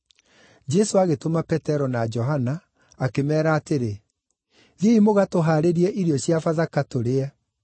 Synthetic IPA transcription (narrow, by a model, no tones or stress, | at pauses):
d͡ʒɛsoaɣetomapɛtɛɾɔnad͡ʒɔɦanaː | kemɛːɾaːteɾe | ðieimoɣatoɦaːɾeɾiɛʔiɾiɔɕjafaðakatoɾeɛ